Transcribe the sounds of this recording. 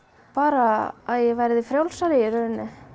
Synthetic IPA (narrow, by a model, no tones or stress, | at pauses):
paːɾaːðjɛɣvajɾðɪfɾjawlsalɪjɪɾœðnɪ